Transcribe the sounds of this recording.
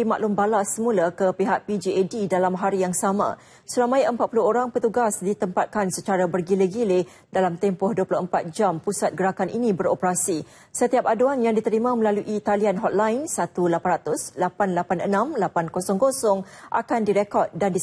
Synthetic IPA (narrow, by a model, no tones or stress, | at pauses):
ima̰ʔlʊmbalasəmũlakəpiɦaʔ̚pid͡ʒiedidalamɦaɾijaŋsamã̰ | səɾamãjəmpat̪̚pulʊɦoɾaŋpət̪uɡasdit̪əmpat̪̚kansət͡ʃaɾabərɡileɡile | dalamt̪ɛmpʊhduəpulʊhəmpat̪̚d͡ʒampusat̪̚ɡəɾakanʔinĩbəɾopəɾasi | sət̪iap̚aduanjaŋdit̪əɾimãmə̃laluʔit̪alianɦɔt̪̚lajnsat̪ulapanrat̪ʊslapanlapanənãmlapankosɔŋkosɔŋʔa̰kandiɾekɔd̪̚dandi